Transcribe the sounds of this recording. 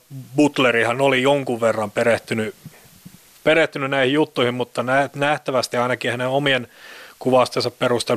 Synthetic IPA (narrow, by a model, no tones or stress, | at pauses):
but̪lerihɑnolijoŋkuʋʋerːɑmpeɾeht̪yny | pereht̪ynynæihijjut̪ːuihimmut̪ːɑnænæht̪æʋæst̪iɑinɑkihæneomienkuʋɑst̪ensɑpperust̪e